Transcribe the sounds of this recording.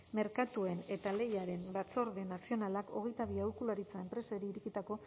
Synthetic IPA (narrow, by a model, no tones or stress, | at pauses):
me̞ɾkat̪ue̞ne̞t̪ale̞jaɾe̞mbat͡so̞ɾðenasio̞nalako̞ɣe̞jt̪aβiawɾkulaɾit͡sae̞mpɾe̞saeɾiːɾikit̪ako̞